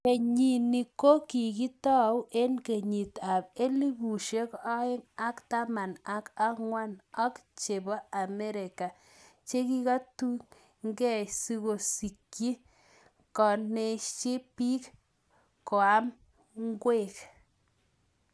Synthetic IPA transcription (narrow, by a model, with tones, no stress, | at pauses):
ke˨ɲi˨ni˨ko˦ki˨ki˦tɔ˦we˦nke˨ɲi˨ta˨be˦li˦bu˨ʃe˦kɔ˦e˦ŋa˦kta˦ma˨na˨ka˦ŋwa˦nɔ˦kt͡ʃe˨bɔ˦a˨me˦ɾe˨ka˨ | t͡ʃe˦ki˦ka˦tu˦ | ŋɡɛ˦˨si˧ɣo˨si˨kji˦ | kɔ˨ne˨t͡ʃe˦pi˦k | ko˨a˦m | ŋɡwe˦˨k